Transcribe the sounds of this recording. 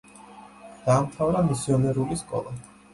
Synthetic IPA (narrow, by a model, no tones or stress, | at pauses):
d̪̥aːmt̪ʰavɾamisiɔnɛɾuliskʼɔ̰lˠa